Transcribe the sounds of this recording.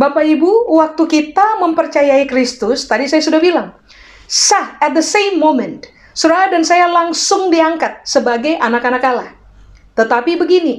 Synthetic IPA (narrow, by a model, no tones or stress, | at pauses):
bapaibuwak̚t̪ukit̪aməmpərt͡ʃajaikɾist̪ʊst̪adisajasudahbilaŋ | saɛt̪̚d̪əsejmːomɛnt̪ | suɾaɦadansajalaŋsʊŋdiaŋkat̪̚səbaɡajʔanakanakalah | t̪ət̪apibəɡini